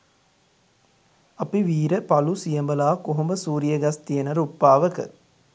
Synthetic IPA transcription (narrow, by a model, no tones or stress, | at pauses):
ɐpiʋiːɾəpɐlusijəmbəlaːkoɦumbəsuːɾijəɡɐst̪ijənəɾupːaːʋəkə̰